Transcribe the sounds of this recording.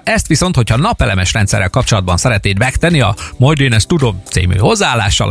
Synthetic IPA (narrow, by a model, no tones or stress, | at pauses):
ɛst̪ʋiso̞nt̪ho̞cʰhɒnɒpɛlɛmɛʃrɛnt̪sɛ̰rːɛlkɒp̚t͡ʃo̞lɒd̪bɒnsɛɾɛt̪neːd̪ʋɛkt̪ɛniɒ̰mojd̪eːnɛst̪ud̪o̞mt̪sḭːmy̰ːho̞zːaaːlːa̰ːʃːɒ̰l